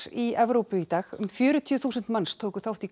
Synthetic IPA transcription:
iɛvɾowpʏit̪aːxʏ̰mfjʏːɾʏt̪ʰiʏθuːsʏnt̪manst̪ʰoːwkʏθawht̪i

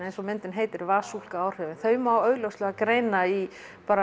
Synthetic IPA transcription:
nejnsɔmɪnt̪ɪnɦejt̪ɪɾvaːsul̥kaaːwr̥œːvɪnθœːɥmawœːɣlœwstlɛɣakɾeːjnai | paːɾa

